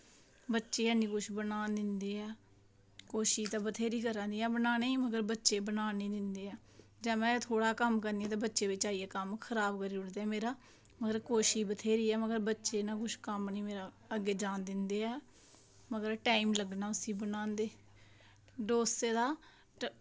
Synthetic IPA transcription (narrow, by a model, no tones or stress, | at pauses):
bətːʃeːɛːniːkʊʃbənaːnd̪ɪnd̪eːɛː | koːʃiːt̪aːbət̪ʰeːɾiːkəɾãːd̪iːɛ̃ːbənaːneːməɡəɾbətːʃeːbənaːneːd̪ɪnd̪eːɛː | d͡ʒɛ̃ːmɛ̃ːt̪ʰoːɽaːkəmkəɾnd̪iːɛ̃ːt̪ẽːbətːʃeːʋɪt͡ʃaːiːɛːkəmkʰəɾaːbkəɾiːʊɽd̪eːɛːmeːɾaː | məɡəɾkoːʃiːbət̪ʰeːɾiːɛːməɡəɾbətːʃeːnãːkʊʃkəmniːmeːɾaː | əɡeːd͡ʒãːnd̪ɪnd̪eːɛː | məɡəɾʈaːimləɡnaːʊsĩːbənaːnd̪eː | ɖoːseːd̪aː